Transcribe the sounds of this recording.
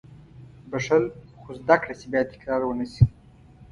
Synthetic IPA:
baʂalxozd̪akɽasebjɑt̪ɪ̥kɾɑɾwənəsi

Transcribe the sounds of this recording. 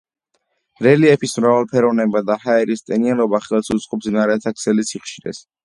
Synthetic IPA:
ɾɛliɛpʰismɾavalˠpʰɛɾɔvnɛbad̪ahaɛɾist̪ʼɛnianɔbaχɛlˠsut̪sʼqʼɔpsnaɾɛt̪ʰakʰsɛlisiχʃiɾɛ̰s

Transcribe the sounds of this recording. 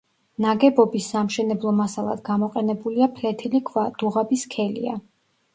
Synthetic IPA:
naɡɛbɔbisːamʃɛnɛblˠɔmasalˠa̰d̪ɡamɔqʼɛnɛbuliapʰlɛt̪ʰilikʰvad̪̥uʁabiskʰɛlḭa̰

